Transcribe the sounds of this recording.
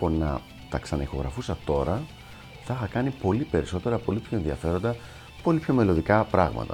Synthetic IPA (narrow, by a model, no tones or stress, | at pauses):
ponɐ̰ | t̪ɐksɐnɐ̰ixo̞ɣɾɐ̰fusɐt̪o̞ɾɐ | θɐixɐkɐnipo̞lipe̞ɾiso̞t̪e̞ɾɐpo̞lipço̞e̞nðiɐfe̞ɾo̞nd̪ɐ | po̞lipço̞me̞lo̞ðikɐpɾɐɣmɐ̰t̪ɐ̰